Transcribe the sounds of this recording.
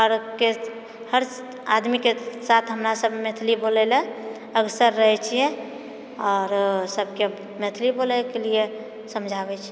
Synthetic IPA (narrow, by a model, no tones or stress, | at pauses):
ɦəɾke | həɾs | ad̪mikesat̪ʰɦəmɾasəbmet̪ʰlibolɛlɛ̃ | əɡsəɾːəɦɛt͡ʃʰijɛ̃ | ɔːɾsəb̚ʱke | met̪ʰlibolɛkelie | səmd͡ʒʱabɛt͡ʃʰ